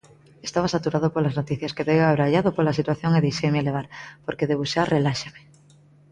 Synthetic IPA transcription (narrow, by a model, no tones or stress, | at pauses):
est̪aβasat̪uɾað̞opolaznot̪iθjaskeðejɣaβɾaʎaðopoɾlasit̪waθjoŋeðejʃejmeleβ̞aɾpoɾkeðeβusarʔelaʃame